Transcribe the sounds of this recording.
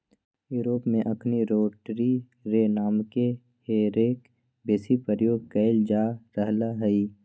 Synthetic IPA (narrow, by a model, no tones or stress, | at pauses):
juːɾoːpmẽʔɐkʰniɾoːʈɾi | ɾenaːmke | heːɾeːk | beːsipəɾjoːɡ̚kəɪld͡ʒaːɾəɦlaɦɛi